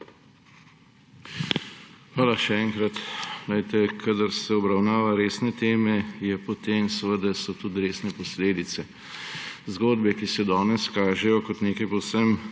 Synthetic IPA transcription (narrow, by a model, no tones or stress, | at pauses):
xʋaːlaʃɛɛːŋkɾat̪lajt̪ɛkʰad̪əɾsɛɔbɾawnaːʋaɾeːsnɛt̪eːmɛjɛpɔt̪eːmsɛʋəd̪asɔt̪ut̪ɾeːsnɛpɔsleːd̪it̪sɛ | zɡoːd̪bɛkisɛd̪ɔːnɛskaːʒɛjɔkɔt̪neːkajpɔwsəm